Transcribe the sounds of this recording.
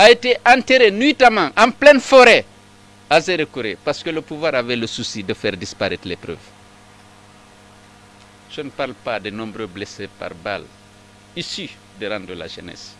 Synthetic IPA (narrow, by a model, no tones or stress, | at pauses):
aeteʔãnteɾenitamãŋʔãmplɛnfɔɾɛ | azeɾekuɾepaɾskələpuvwaːɾavɛləsusidəfɛɾdispaɾɛtlepɾø̰ːv | ʒ̥ənəpaɾlpadenɔ̃mbɾøblesepa̰ɾba̰l | isy | dəɾãnd̪ɾəla̰ʒə̰nɛ̰s